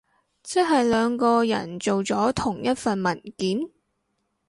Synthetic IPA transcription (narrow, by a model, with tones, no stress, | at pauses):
t͡sɪ˥ɦɐ˨jlœː˨˧ŋkɔː˧jɐ̰˨˩nt͡so˨wt͡sɔː˨˥t̪ʰʊ˨˩ŋjɐ˥t̚fɐ˨nmɐ˨˩nkiː˨˥n